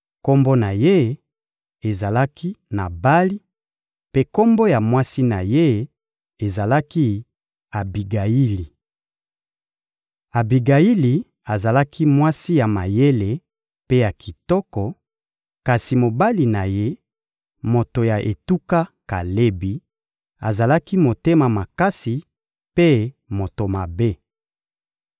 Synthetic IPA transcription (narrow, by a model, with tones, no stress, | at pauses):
ko˦mbo˦na˨je˦ | e˨za˨la˦kʰi˦na˨ba˦li˦ | pe˦ko˦mbo˦ja˨mwa˦si˦na˨je˦ | e˨za˨la˦ki˦ | a˨bi˨ɡa˨i˦li˨ | a˨bi˨ɡa˨i˦li˨ | a˨za˨la˦ki˦mwa˦si˦ja˨ma˨je˦le˨ | pe˦ja˨kʰi˨tɔ˦kɔ˨ | ka˨si˨mo˨ba˦li˨na˨je˦ | mo˨to˨ja˨ʔe˨tu˦ka˦ka˨le˦bi˨ | a̰˨za˨la˦ki˦mo˨te˦ma˨ma˨ka˦si˨ | pe˦ | mo˨to˨ma˨be˦